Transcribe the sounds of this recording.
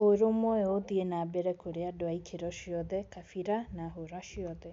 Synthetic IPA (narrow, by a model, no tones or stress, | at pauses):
oɾomɔɛoðienaːbɛɾɛkoɾeadoaikʰeɾɔʃiɔðɛkafiɾanaɦoɾaʃiɔðɛ